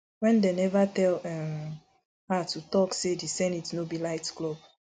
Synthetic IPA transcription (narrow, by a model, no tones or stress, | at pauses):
wɛ̃ndɛnɛvatɛlɛm | hatutɔksedisɛ̃nitnobilaɪtklob